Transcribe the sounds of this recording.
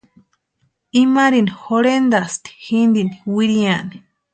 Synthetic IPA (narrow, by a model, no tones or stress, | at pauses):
imaɾinixoɾend̪ast̪i̥xind̪iniwiɾiani̥